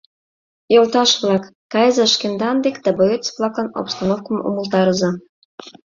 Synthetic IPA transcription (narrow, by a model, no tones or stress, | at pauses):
jolt̪ɑʃβlɑkːɑjəzɑʃkend̪ɑnd̪ekd̪̥ɑboet͡sβlˠɑkɑno̰pst̪ɑnofkəmṵməlˠt̪ɑɾɤzɑ